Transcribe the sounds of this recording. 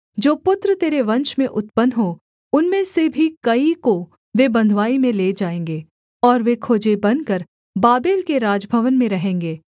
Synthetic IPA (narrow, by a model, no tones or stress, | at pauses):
d͡ʒoːpʊt̪ɾət̪eːɾeʋɐ̃nʃmẽʔʊt̪pənɦo | ʊnmẽsebʱikɐiko | ʋebɐ̃nd̪ʱʋaːimẽleːd͡ʒaːẽːŋɡeː | ɔːɾʋekʰoːd͡ʒebɐnkəɾ | baːbeːlkeɾaːd͡ʒbʱəʋənmẽɾɐɦẽːŋɡeː